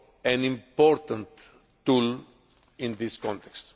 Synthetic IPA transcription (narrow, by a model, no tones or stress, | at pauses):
ɛ̃nĩmpɔɾt̪ə̃nt̪ː | ul | ĩnd̪iskɔ̃nt̪ɛkst̪